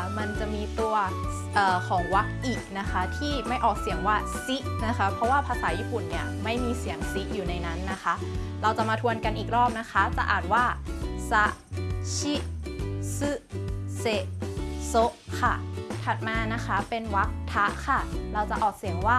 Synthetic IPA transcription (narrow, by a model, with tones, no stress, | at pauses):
ma˧nt͡ɕa˨˩ʔmiː˧t̪u˧ɐ | ʔɤː˨˩kʰɔː˩˦ŋwa˦˥k̚ʔiː˨˩k̚na˦˥kʰa˦˥t̪ʰiː˥˩ma˥˩jʔɔː˨˩k̚si˨˩˦əŋwaː˥˩ | si˦˥ʔna˦˥kʰa˦˥pʰɾɔ˦˥waː˥˩pʰaː˧saː˩˦jiː˥˩pu˨˩nːi˥˩ɐma˥˩jmiː˧si˩˦əŋsi˦˥ʔ̚juː˨˩na˧jna˦˥nːa˦˥xʰa˦˥ʔ | ɾa˧wt͡ɕa˨˩maː˧t̪ʰu˧ənka˧nʔiː˨˩k̚ɾɔː˥˩p̚na˦˥kʰa˦˥t͡ɕa˨˩ʔaː˨˩t̪̚waː˥˩sa˦˥ʔt͡ɕʰi˦˥ | sɯ˦˥se˨˩so˦˥ʔkʰa̰˥˩t̪ʰa˨˩t̪̚maː˧na˦˥kʰa˦˥pe˧nwa˦˥k̚t̪ʰa˦˥ʔkʰa˥˩ɾa˧wt͡ɕa˨˩ʔɔː˨˩k̚si˩˦əŋwaː˥˩